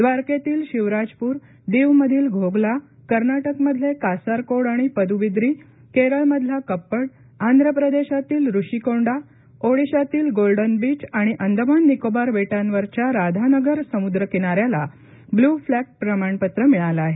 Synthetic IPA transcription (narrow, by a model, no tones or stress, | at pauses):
d̪ʋaɾket̪iːlɕiʋɾad͡zpuːɾ | d̪eʋməd̪ʱiːlɡʱoɡla | kəɾnaʈəkməd̪ʱlekasaɾkoɽaɽ̃ipəd̪ʱuʋid̪ɾiː | keɾəɭməd̪ʱlakəpːəɽ | and̪ʱɾəpɾəd̪eɕat̪iːlɾuɕikoɳɖa | oɽiɕat̪iːlɡolɖənbiːt͡ɕaɽ̃iʔənd̪ʱəmanːikobaɾʋeʈãnʋəɾt͡ɕjaɾad̪ʱanəɡəɾsəmud̪ɾəkiɽ̃aɾjala | bluflæk̚ʈ̚pɾəmaɳpət̪ɾəmiɭalaːɦe